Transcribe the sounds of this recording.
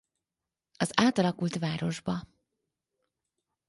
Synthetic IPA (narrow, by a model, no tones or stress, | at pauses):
ɒzaːt̪ɒlɒkult̪ʋaːɾo̞ʒbɒ